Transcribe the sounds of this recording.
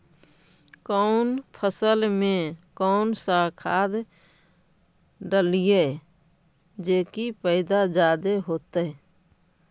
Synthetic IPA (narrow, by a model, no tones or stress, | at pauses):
kɔʊnpʰəsəlmẽkɔːnsakʰaːd̪ | ɖəlije | d͡ʒeːkipəɪd̪ad͡ʒaːd̪eɦoːt̪e